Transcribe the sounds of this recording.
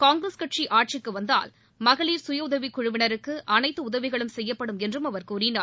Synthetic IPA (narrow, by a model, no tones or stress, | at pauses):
kaːŋɡɾɐskɐʈt͡ʃiʔaːʈ̚t͡ʃɪkːɯʋɐnd̪a̰ːl | mɐɣɐɭiːɾsʊjɐʊðɐʋikʊɻʊʋɪnɐɾɯkːɯʔɐnɐɪt̪ːɯʊðɐʋɪɣɐɭɯmsɛjːɐpːɐɽɯmɛndrɯmɐʋɐɾkuːɾɪnaː